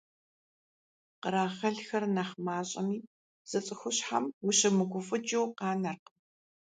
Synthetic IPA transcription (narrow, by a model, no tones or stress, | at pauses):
qəɾaːχɐɮxɐrnɐχmaːɕʼɐmiː | z̥ɨt͡sʼɨxʷʊɕħa̰mwʊɕɐmɨɡʷʊfɨd͡ʒɐwqɑːnɐrq